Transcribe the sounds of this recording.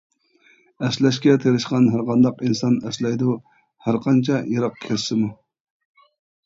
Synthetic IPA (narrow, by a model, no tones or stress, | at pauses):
ɛslɛʃkʲɛt̪ʰeɾɪʃqɑnɦæɾqɑnd̪ɑqinsɑnɛslɛjd̪u | hæɾqʰɑnt͡ʃʰɑjeɾɑq̚kʲʰeɾsɪmu